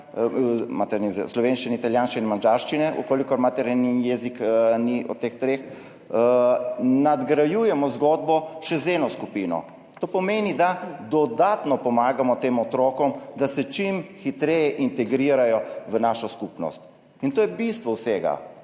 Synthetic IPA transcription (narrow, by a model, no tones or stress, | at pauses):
mat̪ɛɾnizɛslɔʋeːnʃt͡ʃinɛit̪aljaːnsʃt͡ʃinnɛmand͡ʒaɾʃt͡ʃinɛʔṵkoːlikɔɾmat̪ɛɾnjɛzikniʔɔ̰t̪eːxt̪ɾex | nad̪ɡɾajujɛmɔzɡɔd̪̚bɔʃɛzeːnɔskupiːnɔ̰ | t̪oːpɔmeːnid̪ad̪ɔd̪aːt̪nɔpɔmaːɡamɔt̪eːmɔt̪ɾoːkɔmd̪asɛt͡ʃimxit̪ɾɛjɛʔint̪ɛɡɾiːɾajɔʋənaʃɔskupnɔ̰st̪ | int̪oːjɛbist̪ʋɔwseːɡa̰